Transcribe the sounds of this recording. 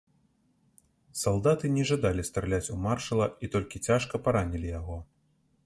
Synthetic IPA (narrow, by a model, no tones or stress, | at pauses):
salˠd̪at̪ɨnʲɛʐad̪alʲist̪ɾalʲat͡sʲumarʂɐlˠɐit̪ɔlʲkʲit͡sʲaʂkɐpaɾanʲilʲijaɣɔ